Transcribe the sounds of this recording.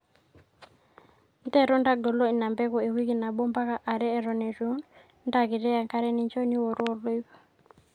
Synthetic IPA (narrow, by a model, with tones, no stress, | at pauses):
n˦tɛ˦ɾɔ˦nda˦ɡɔ˨lɔ˦i˨na˨mbɛ˦kɔ˨e˨wi˦ki˨na˨bɔ˦mba˦ka˨ʔa˨ɾɛ˦ɛ˨ɾɔ˨nɛ˨ɾu˦n | nda˦ki˨ɾɛ˦a˨ŋka˦ɾɛ˦ni˦ɲt͡ʃɔ˦ni˦wɔ˨ɾɔ˦˨ɾlo˦i˦bɔ˨